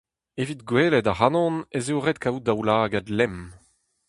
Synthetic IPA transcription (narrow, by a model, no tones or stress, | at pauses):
evit̪ɡweːlɛdahanɔ̃nezeuʁet̪̚kawd̪awlaːɡad̪lɛm